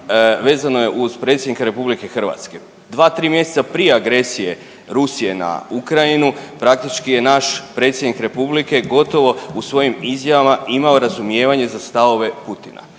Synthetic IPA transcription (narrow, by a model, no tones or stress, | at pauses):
ʋe̞ːzano̞je̞ʔuzpɾe̞t̪sʲjed̪nikaɾe̞publike̞xr̩ʋa̰t̪ske̞ | d̪ʋaːt̪ɾiːmje̞set̪apɾije̞aɡɾe̞sije̞ | ɾusije̞na̰ukɾainupɾak̚t̪it͡ʃkije̞naʃpɾe̞t̪sje̞d̪nikɾe̞publike̞ɡo̞t̪o̞ʋo̞usʋo̞jimizjaʋamaimao̞ɾazumje̞ːʋaɲe̞zast̪aʋo̞ʋe̞put̪ina̰